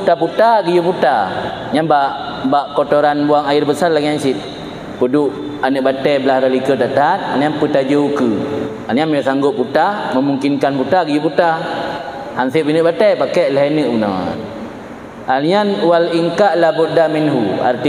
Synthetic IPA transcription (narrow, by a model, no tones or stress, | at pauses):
ut̪aput̪aɡid͡ʒuput̪a | ɲanbaʔ | baʔkot̪oɾanbuaŋairbəsarlaɡiansit̪̚ | pəduʔ | anɨʔ̚bat̪ɛjbəlahɾalikət̪aʔt̪aat̪̚alɲanput̪ad͡ʒəukɨ | alɲanməaʔsaŋɡʊʔ̚pːut̪aməmuŋkinkanput̪aɡəjuput̪a | hansiʔpinəʔbat̪ɛjpakɛʔlɛɦanəʔmuna̰ | alɲanwaliŋkaʔlabud̪ːaminɦua̰rt̪i